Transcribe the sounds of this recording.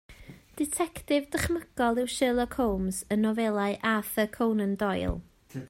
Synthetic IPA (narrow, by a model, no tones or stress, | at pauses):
d̥ɪtʰɛktɪvdəχməɡ̥ɔlˠɪwʃɪlˠɔkʰowmzənːɔvɛlˠaɨʔafəkʰownəndɔjlˠ